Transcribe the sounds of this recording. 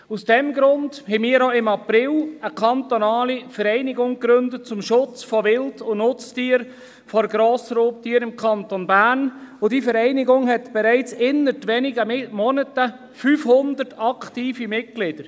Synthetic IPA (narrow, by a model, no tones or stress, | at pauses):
usd̥ɛmɡɾʊnd̥hɛmiːəɾoɪmɑpɾɪləkʰɑnt̪onɑːlifəɾɛɪnɪɡʊŋkɾøndət̚t͡sʊmʃʊt͡sfɔʋɪltʊnʊt͡stiːəɾ | fɔɾɡɾɔːsɾoːp̚tiːəɾɪmkʰɑntonbæːɾnʊd̥iːfəɾɛɪnɪɡʊŋɦɛtb̥ɛɾɛɪt͡sɪnətʋɛnɪɡəmɔnətə | fyːfhʊnd̪ətɑkʰtiːfimɪt̚ɡ̥lɪd̥əɾ